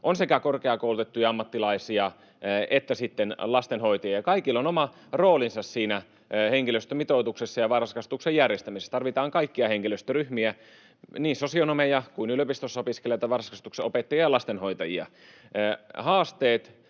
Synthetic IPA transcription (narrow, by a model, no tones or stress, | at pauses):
ʔonsekækorkeɑkoulut̪et̪ːujɑɑmːɑt̪ːilɑisiɑ | et̪ːæsit̪ːenlɑst̪enhoit̪ɑjiɑkɑikilːonomɑ | roːlinsɑssiːnæ | heŋkiløst̪ømit̪oːt̪uksesːɑjɑʋɑrskɑst̪uksejjærjest̪æmisest̪ɑrʋit̪ɑːŋkɑikːiɑheŋkiløst̪øryhmiæ | niːsosionomejɑkuinyløpist̪osːɑopiskelijɑt̪ːɑʋɑrskɑst̪ukseopet̪ːɑjiɑɑlɑst̪enhoit̪ɑjḭɑ̰ː | hɑːst̪eːt̪